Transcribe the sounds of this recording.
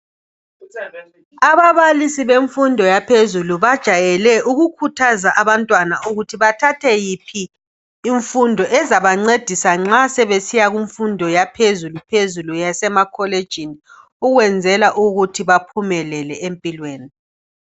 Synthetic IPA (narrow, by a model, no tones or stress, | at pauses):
aβaβalisiβeɱfundʱɔjapʰezuluβad̥ʒ̥ʱajɛlɛʔuɣukʰutʰazaʔaβantʼwanauɣutʰiβatʰatʰɛjipʰiː | ɱfundʱɔʔɛzaβaŋ͡ǀed̥ʱisaŋ͡ǁasɛβesijaɣuɱfundʱɔjapʰezulupʰezulujasɛmakʰɔled̥ʒ̥ʱini | uɣwɛnd͡zʱɛlaʔuɣutʰiβapʰumɛlɛlɛempʼilweːni